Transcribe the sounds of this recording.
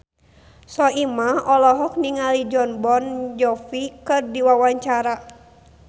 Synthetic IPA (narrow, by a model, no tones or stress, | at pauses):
sɔimaɔlɔɦɔk̚niŋalid͡ʒɔnbɔnd͡ʒɔfikɨrdiwawaɲt͡ʃaɾa